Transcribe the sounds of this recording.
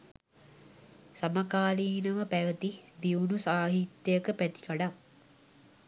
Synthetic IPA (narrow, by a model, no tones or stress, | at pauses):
samakaːliːnəʋəpæʋət̪id̪iunusaːɦit̪jəəkəpæt̪i̥kaɖa